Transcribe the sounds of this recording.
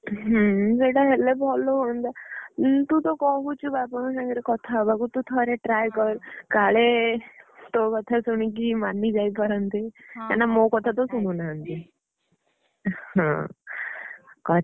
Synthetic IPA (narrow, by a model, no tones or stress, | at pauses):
ɦəd͡zeʈaɦelebʱɔloɦond̪at̪ũt̪okɔɦut͡ɕubapɔñsãŋɡɾikɔt̪ʰabəɡut̪ut̪ʰɔɾeʈɾajkɔɾkaɭe | t̪okɔt̪ʰasuɳ̃ik̬imanːid͡ʒajpəɾənt̪et̪anːamokɔt̪ʰat̪̬osuɳunaənt̪e | hã̰ | kɔ